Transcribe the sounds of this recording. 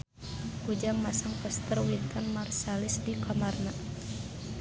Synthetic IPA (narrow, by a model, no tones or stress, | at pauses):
kud͡ʒaŋmasaŋpəst̪ərwint̪anmarsalɪsdikʰamarna